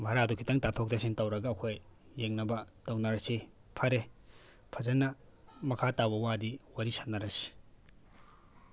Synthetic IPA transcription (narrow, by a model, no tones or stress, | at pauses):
bʱaɾadukʰitɐŋtatʰok̚dɐsintɐwɾɐɡɐːkʰojːeŋnɐbɐtɐwnɐɾɐsi | pʰɐɾe | pʰɐzɐnːɐmɐkʰatabɐwadiwɐɾisat̚nɐɾɐsi̥